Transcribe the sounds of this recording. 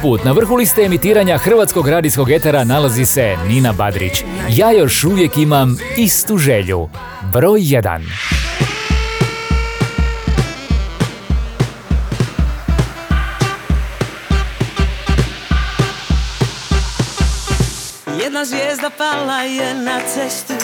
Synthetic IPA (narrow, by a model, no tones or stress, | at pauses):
puːt̪naʋr̩xulist̪eːmit̪iːɾaɲaxr̩ʋaːt̪skoɡɾaːd̪ijsko̞ɡet̪eɾanalazise̞niːnabad̪ɾḭt͡ɕjaːjo̞ʃuʋje̞kimamist̪uʒeʎṵ | bɾoːjːed̪a̰n | jɛd̪nazʋʲjeːzd̪apalajɛnat̪sɛst̪i